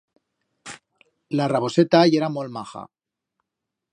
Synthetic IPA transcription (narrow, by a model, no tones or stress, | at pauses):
laraβo̞set̪ajeɾamolmaxa̰